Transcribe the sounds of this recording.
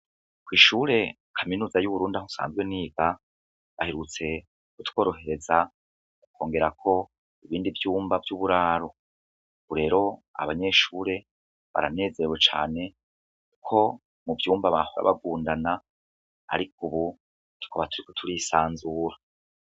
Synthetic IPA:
kwiːʃuːɾe̞ | kʰaminuːzajuβuɾuːndahosa̰ːnzɡweniːɡa | βaheɾut͡se̞ | kutwo̞ːɾo̞ɦe̞ɾe̞za | ukʰo̞ːŋɡe̞ɾakʰo̞ | iβiːndivjuːmbavjuβuɾaːɾo | βuɾe̞ːɾo̞a̰βaɲe̞ʃuːɾe̞ | βa̰ɾane̞ːze̞ɾewet͡ʃa̰ːne̞ | kʰo̞ | mubjuːmbaβahoɾa̰βaɡuːndana̰ː | ɾikuβu | ti̥koβatʰuɾiko̥tʰuɾisaːnzuːɾa

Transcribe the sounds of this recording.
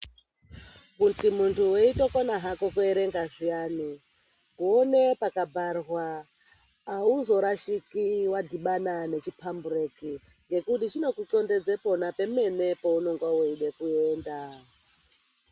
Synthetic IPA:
kutimuntʰuweito̞konaɦakokweɾe̞ŋɡaʐiani | kuonepakabʱarwaː | uzo̞ɾaʃikiwadʱiɓanane̞t͡ʃipʰambureki | ŋɡe̞kutit͡ʃino̞kut͡ɬo̞nde̞d͡zepo̞nape̞me̞ne̞pouno̞ŋɡwaoiɗekueːnda

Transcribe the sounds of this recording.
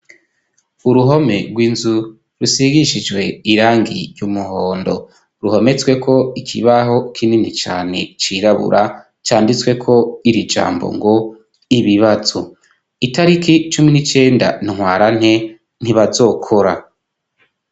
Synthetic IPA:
uɾuɦo̞me̞ɡwiːnzu | ɾusiɡiʃid͡ʒɡwe̞iɾaːŋɡḭɾjumuɦoːndo̞ | ɾuho̞me̞t͡swe̞kʰo̞ikʰḭβaɦo̞kʰininit͡ʃa̰ːne̞t͡ʃiːɾaβṵɾʔa | t͡ʃaːndit͡swe̞kʰo̞iɾid͡ʒa̰ːmbo̰ŋɡo̞ | iβiβazo̰ | itaɾikit͡ʃuminit͡ʃe̞ːnda̰niŋhwaːɾan̥e̞ | n̥iβazo̞ːkʰo̞ɾa

